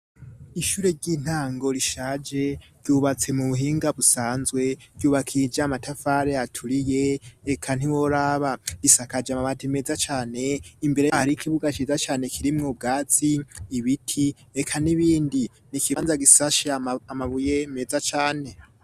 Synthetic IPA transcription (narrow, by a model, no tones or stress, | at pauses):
iʃuːɾe̞ɾɟiːn̥haːŋɡo̞ɾiʃaːd͡ʒe̞ɾɟuːβat͡se̞muβuɦiːŋɡaβusaːnzwe̞ɾɟuːβakʰid͡ʒamatʰafaɾeatʰuɾije̞ːkʰan̥iwoɾaβaɡ̥isakad͡ʒamaβatʰime̞ːzat͡ʃaːne̞imbe̞ɾehaɾikʰiβuɡat͡ʃizat͡ʃaːne̞kʰiɾimŋub̚ɡaːz̥iːβitʰi | ekʰaniβiːndi | nikiβanzaɡisaʃamaβuje̞me̞zat͡ʃaːne̞